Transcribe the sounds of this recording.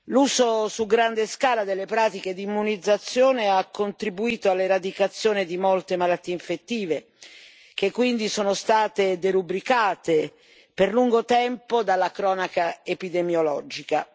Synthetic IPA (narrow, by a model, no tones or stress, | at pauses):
luːzosuɡɾand̪eskaːlad̪elːepɾaːt̪iked̪imːunid̪zːat̪sːjoːneakːont̪ɾibuiːt̪oalːeɾad̪ikat̪sːjoːnid̪imolt̪emalat̪ːiːeiɱfet̪ːiːve | k̟ekːwind̪isoːnost̪aːt̪ed̪eɾubɾikaːt̪e | perluŋɡot̪ɛmpod̪alːakɾɔːnakaepid̪emjolɔd͡ʒika